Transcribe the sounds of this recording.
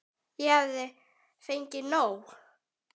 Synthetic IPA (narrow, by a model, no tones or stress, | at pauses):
jɛhaðɪ | fejɲcɪnow